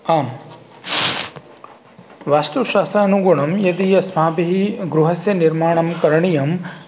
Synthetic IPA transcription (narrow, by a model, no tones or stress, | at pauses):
aːm | ʋaːst̪uʃaːst̪ɾaːnuɡuɳɐmjɐd̪ijɐsmaːbɐɦiɡɾuɦɐsjɐniɾmaːɳɐmkɐɾɐɳijɐm